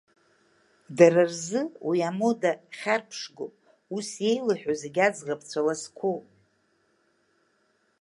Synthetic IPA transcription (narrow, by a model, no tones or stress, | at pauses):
dararzɨwiamodaχʲarpʰʂɡopʼ | usje̞jlɨħᶣozeɡʲad͡zʁapʰt͡sʷʰalaskʷʰo